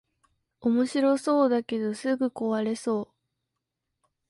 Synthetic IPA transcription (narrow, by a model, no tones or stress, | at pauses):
omo̞ɕiɾo̞so̞ːd̪ake̞d̪o̞sɨɡɯ̟ko̞βaɾe̞so̞ː